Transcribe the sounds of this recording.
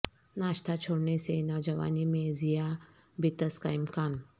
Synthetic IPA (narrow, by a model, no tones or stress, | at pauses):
naːʃt̪ʰat͡ʃʰoːɽnesenɔːʋd͡ʒɐʋa̰ːnimẽzija | bɪt̪əskaɪmkaːn